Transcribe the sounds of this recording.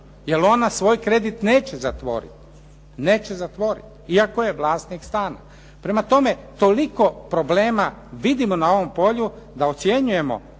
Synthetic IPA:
jelo̞nasʋo̞ːjkɾe̞d̪it̪ne̞ːt͡ɕe̞zat̪ʋo̞̰ɾḭt̪ | ne̞ːt͡ɕe̞zat̪ʋo̞ɾḭt̪iakoje̞ʋlˠaːst̪nikst̪aːna̰ | pɾe̞mat̪o̞me̞t̪o̞liko̞pɾo̞bleːmaʋid̪imo̞nao̞ʋo̞mpo̞ʎu | d̪ao̞t̪sje̞ɲuje̞mo̞̰

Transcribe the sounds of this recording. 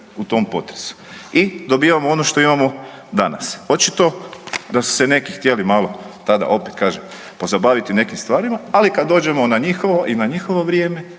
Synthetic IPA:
ut̪o̞mpo̞̰t̪ɾesu̥id̪o̞biːʋamoo̞noʃt̪o̞imamo̞d̪ana̰so̞t͡ʃit̪o̞d̪asu̥sene̞kixt̪je̞limalˠo̞t̪ad̪a̰ʔo̞pet̪̚kaːʒem | po̞zabaʋit̪ine̞kimst̪ʋaːɾimaalikad̪d̪ːo̞ːd͡ʒe̞mo̞naɲixoʋoʔinaɲixo̞ʋo̞ʋɾje̞ːme̞

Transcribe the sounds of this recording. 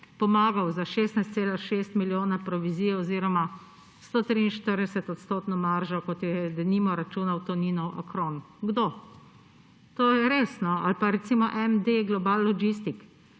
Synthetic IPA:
pɔmaːɡawzaʃeːst̪najst̪seːlaʃeːst̪miljoːnapɾɔʋiziːjɛɔziːɾɔma | st̪oːt̪ɾiːnʃt̪əɾd̪ɛsɛt̪ɔt̪st̪oːt̪nɔmaɾʒakɔt̪jɛd̪ɛniːmɔɾat͡ʃuːnawt̪ɔniːnɔwʔa̰kɾon | ɡd̪oː | t̪oːjɛɾeːsnɔalpaɾɛt̪siːmɔʔɛmd̪eɡlɔbaːlːɔɡist̪ik

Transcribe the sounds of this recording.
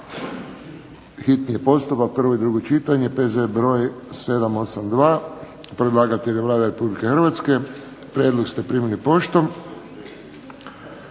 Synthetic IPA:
xit̪nije̞po̞st̪upak̚pr̩ʋo̞id̪ɾuɡo̞t͡ʃit̪aɲe̞pezebɾo̞ːjse̞d̪amo̞samd̪ʋaː | pɾed̪lˠaːɡat̪eleʋlˠaːd̪aɾe̞publikexr̩ʋat̪ske̞ | pɾjed̪lokst̪epɾimilipo̞ʃt̪om

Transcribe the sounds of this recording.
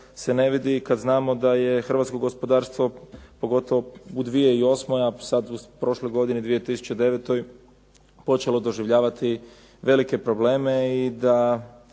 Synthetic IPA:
se̞ne̞ʋid̪ikad̪znaːmo̞d̪aje̞xr̩ʋat̪sko̞ɡospo̞d̪aːɾst̪ʋo̞po̞ɡo̞t̪o̞ʋoud̪ʋije̞io̞smo̞jasad̪upɾo̞ːʃlo̞jɡo̞d̪inid̪ʋije̞t̪isu̥t͡ɕed̪e̞ʋet̪o̞j | po̞t͡ʃe̞lo̞d̪o̞ʒiʋʎaːʋat̪i | ʋe̞like̞pɾo̞ble̞ːme̞id̪a

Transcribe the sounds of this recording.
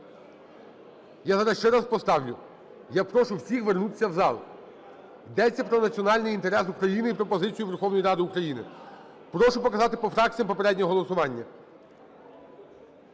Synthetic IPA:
jazɑɾɐsʃt͡ʃɛɾɑspɔst̪ɑwlʲʊ | japɾɔʃʊwsʲixʋernut̪ɪ̥sʲːɐwzɑlˠ | id̪ɛt͡sʲːɐpɾɔnɐt͡sʲiɔnɑlʲnɪjint̪e̞ɾɛs̬ukɾɐjinɪipɾɔpɔzɪt͡sʲijʊʋerxɔwnɔjiɾɑd̪ɪukɾɐjinɪ̰ | pɾɔʃʊpɔkɐzɑt̪ɪpɔfɾɑk̚t͡sʲijɐmpɔpeɾɛdʲnʲɔɔɦɔlˠɔsʊʋɑnʲːɐ

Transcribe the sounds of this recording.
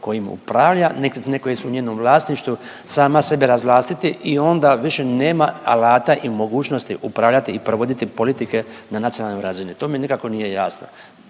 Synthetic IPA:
ko̞jimṵpɾaʋʎaneknekojesuɲeːno̞mʋlˠaːst̪niʃt̪ʋu | saːmase̞beɾazʋlˠaːst̪it̪iʔio̞nd̪aʋiʃe̞ne̞ːmaa̰laːt̪aʔimo̞ɡuːt͡ʃno̞st̪ḭʔupɾaʋʎat̪iːpɾoʋo̞d̪it̪ipo̞lit̪ike̞nanat̪sionalnojɾazinit̪oːmenikako̞nije̞jaːsno̰

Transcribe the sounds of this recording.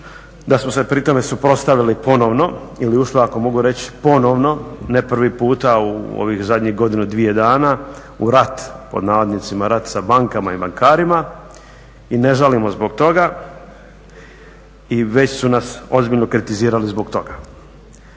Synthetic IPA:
d̪asmose̞pɾit̪o̞me̞supɾo̞t̪st̪aʋilipo̞no̞ʋno̞iliuʃliako̞mo̞ɡuɾe̞t͡ɕpo̞noʋno̞nepr̩ʋipuːt̪auo̰ʋixzad̪ʲɲixɡo̞d̪inud̪ʋije̞d̪aːna | uɾat̪po̞̰d̪naːʋad̪nit̪simaɾat̪sabaŋkamaibaŋkaːɾima | ine̞ʒalimo̞zbo̞ɡ̚t̪o̞ɡa | iʋe̞t͡ɕsunaso̞zbiʎno̞kɾit̪iziːɾalizbo̞ɡt̪o̞ɡa

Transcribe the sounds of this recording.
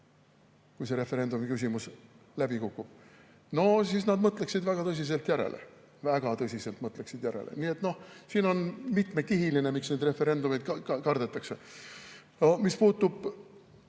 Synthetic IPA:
kujs̬e̞ɾe̞fe̞ɾe̞nd̪umikys̬ʲimus | læbikukːˑub̥̚ | no̞s̬isnɑd̪mɤt̪ˑleksid̪væɡ̥ɑt̪ɤs̬ʲis̬e̞lt̪jæɾḛlʔḛ | væɡ̥ɑt̪ɤsʲise̞lt̪mɤt̪ˑle̞ksid̪jæɾḛlʔḛniːe̞t̪no̞hsiːno̞nmit̪me̞kiɦiline̞miksne̞ːd̪re̞fe̞ɾe̞nd̪umid̪̥̚kkɑrd̪̥e̞t̪ːˑɑkse̞ | omispuːt̪ːˑub̥

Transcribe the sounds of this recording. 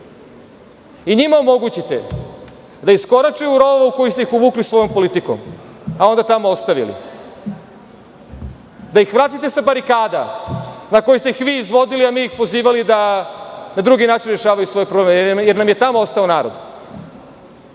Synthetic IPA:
iɲimaomo̞ɡut͡ɕit̪ḛ | d̪aisko̞ɾat͡ʃeuɾo̞oʋauko̞jist̪eixuʋuːklisʋo̞jo̞mpo̞lit̪iko̰m | ao̞nd̪at̪amoost̪aʋḭlḭ | d̪aixʋɾaːt̪it̪e̞sabaɾikaːd̪anako̞jist̪e̞ixʋiːzʋo̞d̪iliamiːjixpo̞ziːʋalid̪a | nad̪ɾuɡinaːt͡ʃinɾeʃaːʋajusʋo̞ːjpɾoblemjeɾnamjet̪amoost̪aonaːɾo̞d̪

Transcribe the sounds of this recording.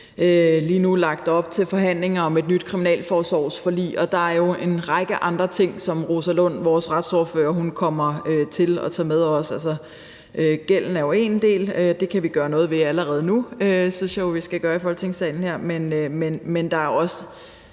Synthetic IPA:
ʔøliːnulɑ̈ɡ̥̚d̥ɒ̽b̥̚t͡sʰe̝lfɒ̽ɦæn̰le̝ŋɐɒ̽me̝d̥̚nyd̥̚kʰʁiminɛ̰ːlfɒːsɒ̰ʊ̰sfɒ̽lḭːɒ̽d̥ɑ̈æɐjo̝e̝nʁɑ̈ɡ̥əʔɑ̈nd̥ʁɐt͡sʰe̝ŋ̰sɒ̽mʁo̝sælɔn̰ʋɒːsʁɑd̥sɔːɐfø̰ːɐɦunkʰɒ̽m̰ɐøt͡sʰe̝lɒt͡sʰɛ̰ːmeðˠɒsælsɐ | ʔøɡ̥el̰n̩æɐjo̝e̝nd̥e̝̰ːlød̥e̝kʰæʋiɡ̥ɶːɐnɔ̽ːð̞̩ˠʋe̝æləʁɛːð̞̩ˠənuøsynsjɑ̈joʋisɡ̥æɡ̥ɶɐifɒ̽l̰t͡sʰe̝ŋsɛ̰ːɪn̩heɐ̰menømenmend̥ɑ̈æɐjoɒ̽sə

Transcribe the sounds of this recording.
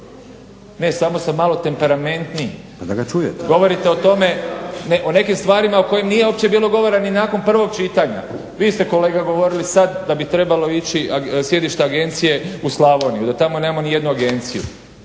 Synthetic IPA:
ne̞samo̞samːalo̞t̪e̞mpe̞ɾame̞nt̪ni | pad̪aɡat͡ʃujet̪ɡo̞ʋo̞ɾit̪e̞o̞t̪o̞me̞neʔo̞ne̞kimst̪ʋaːɾimaoko̞jemnije̞o̞pt͡ɕe̞biːlˠo̞ɡo̞ʋo̞ɾaninaːko̞npr̩ʋo̞ɡ̚t͡ʃiːt̪aɲa̰ | ʋiːst̪e̞ko̞le̞ːɡaɡo̞ʋo̞ɾilisad̪d̪abit̪ɾe̞balo̞it͡ɕiasje̞d̪iʃt̪aaɡe̞nt̪sije̞uslˠaʋo̞nijud̪at̪amo̞nemamo̞nije̞d̪nuaɡe̞nt̪sijṵ

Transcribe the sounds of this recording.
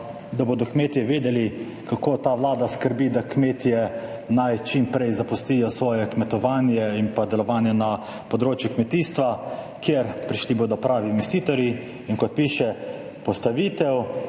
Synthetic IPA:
d̪aboːd̪ɔkmeːt̪jɛʋeːd̪ɛli | kakoːt̪aːʋlaːd̪askəɾbid̪akmeːt̪ijɛ | najt͡ʃimpɾɛjzapust̪ijɔsʋɔːjɛkmɛt̪ɔʋaːnjɛinpad̪ɛlɔʋaːnjɛna | pɔd̪ɾoːt͡ʃjukmɛt̪iːst̪ʋa | kjeɾpɾiʃliboːd̪ɔpɾaːʋinɛst̪iːt̪ɔɾji | iŋkɔt̪̚piːʃɛ | pɔst̪aʋiːt̪ɛw

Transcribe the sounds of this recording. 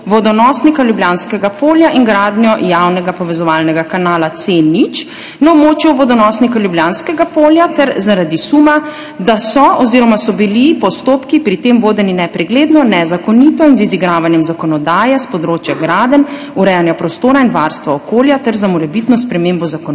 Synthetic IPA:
ʋɔd̪ɔnɔːsnikaljubljaːnskɛɡapoːljaʔinɡɾaːd̪njɔjawnɛɡapɔʋɛzɔʋaːlnɛɡakanaːlat̪senit͡ʃ | naɔbmoːt͡ʃjuʋɔd̪ɔnɔsnikaljubljaːnskɛɡapoːljat̪ɛɾzaɾad̪isuma | d̪asɔɔziɾɔmasɔbilipɔst̪oːpkipɾit̪eːmʋoːd̪ɛninɛpɾɛɡleːd̪nɔnɛzakɔnit̪ɔinziziɡɾaːʋanjɛmzakɔnɔd̪aːjɛspɔd̪ɾoːt͡ʃjaɡɾaːd̪ən | uɾɛjanjapɾɔst̪oːɾainʋaɾst̪ʋaɔkoːljat̪ɛɾzamɔɾɛbit̪nɔspɾɛmembɔzakɔn

